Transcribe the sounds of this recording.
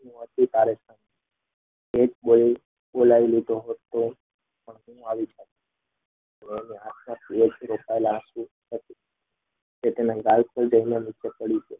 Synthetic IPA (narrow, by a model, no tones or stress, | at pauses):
nũət̪it̪aɾesan | ed͡ʒɓoli | ɓolaʋilid̪ʱoɦot̪o | pəɳɦũaʋit͡ʃʰət̪ | əneːniasmãt̪ʰied͡ʒɾokaelaːsu | ɦət̪i | d͡ʒet̪enãɡalkʰəld͡ʒəɦinenit͡ʃepəɽit͡ʃʰe